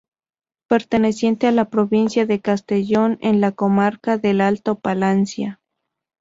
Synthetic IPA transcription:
pe̞ɾt̪e̞ne̞sje̞nt̪ealapɾo̞βinsjaðekast̪e̞ʝo̞nenlako̞maɾkaðe̞lalt̪opalansja

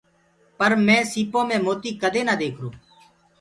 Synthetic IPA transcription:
pəɾmɛ̃ːsiːpõːmẽːmoːt̪iːkəd̪eːnaːd̪eːkʰɾoː

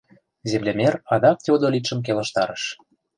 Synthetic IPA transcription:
zemlʲemʲeɾɑd̪ɑk̚t̪ʲod̪olʲit̪ʃə̆mk̬elə̆ʃt̪ɑɾəʃ

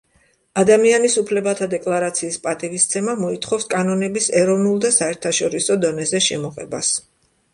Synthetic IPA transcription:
ad̪amianisupʰlɛbat̪ʰad̪ɛkʼlˠaɾat̪sʰiːspʼat̪ʼivist̪sʰɛmamɔit̪ʰχɔfskʼanɔnɛbisɛɾɔvnulˠd̪asaɛɾt̪ʰaʃɔɾisɔd̪ɔnɛzɛʃɛmɔʁɛ̰bas

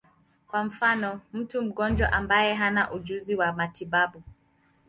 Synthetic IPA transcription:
kwam̩fanɔm̩tum̩ɡɔnd͡ʒwaʔambajɛɦanaʔud͡ʒuziwamatiɓaɓu

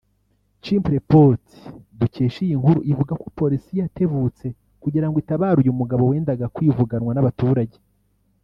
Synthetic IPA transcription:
t͡ʃimpɾepoti̥duce̞ːʃijiŋhuɾṵʔivuɡakopo̞ɾisijate̞βut͡se̞ | kuɟiɾaŋɡoitaβaːɾujumuɡaβo̞we̞ːndaɡakwivuɡanwanaβatuːɾaɟe̞

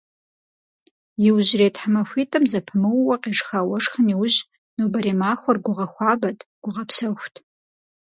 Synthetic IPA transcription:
jɪwʑreːtħamɐfʷiːtʼɐmzɐpʰɨmɨwwɐqeːʂxaːwɐʂxəniwʊʑ | nobɐɾeːmaːxʷɔrɡʷʊʁɐxʷɑːbɐtʰʼɡ̥ʷʊʁɐpsɐxʷtʰ

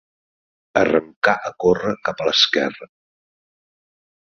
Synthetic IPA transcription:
ərəŋkaʔəkorəkapələskɛ̰rə

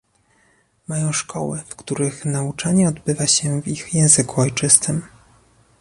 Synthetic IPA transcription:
majɔ̃w̃ʂkʰɔ̰wɛ̰fkt̪uɾɘxnaut͡ʂaɲɛɔd̪bɘvaɕɛvixjɛ̃w̃zɘkuɔjt͡ʂɘst̪ɘm

